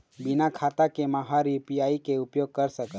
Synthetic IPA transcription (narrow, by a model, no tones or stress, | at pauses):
bɪnakʰaːt̪akemaɦaɾipijaːikeʊpjoːɡ̚kəɾsəkə